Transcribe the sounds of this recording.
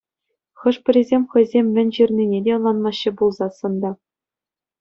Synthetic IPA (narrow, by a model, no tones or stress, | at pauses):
χɤ̆ʂpʲɘ̆ɾʲizʲemʲχɤ̆jzʲemʲːɘ̆nʲʑirʲnʲinʲedʲeɤ̆nlˠɑnmɑɕːɘ̆bulˠzɑsɤ̆nd̪ɑ